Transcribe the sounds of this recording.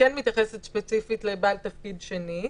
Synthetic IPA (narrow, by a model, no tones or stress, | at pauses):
kɛnmit̪jaχesetʃpet͡sifitlebalt̪ɐfkid̪ʃeni